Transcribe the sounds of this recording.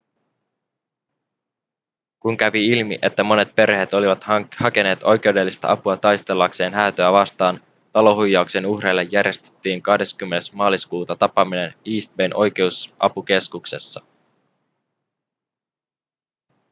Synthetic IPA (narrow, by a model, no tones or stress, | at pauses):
kuŋkæʋiilmḭʔe̞t̪ːæmo̞ne̞t̪̚pe̞rhe̞t̪o̞liʋɑt̪hɑke̞ne̞ːt̪o̞jke̞ude̞lːist̪ɑ̰ʔɑpuɑt̪ɑjst̪e̞lːɑkse̞ːnɦæːt̪øæʋɑst̪ɑːn | t̪ɑlo̞ɦujːɑuksenuhrelːejːærje̞st̪e̥t̪ːiːŋkɑhde̞skymːe̞nesmɑːliskuːt̪ɑt̪ɑpɑmine̞niːst̪̚benʔo̞jk̟e̞usʔɑ̰puke̞skukse̞sːɑ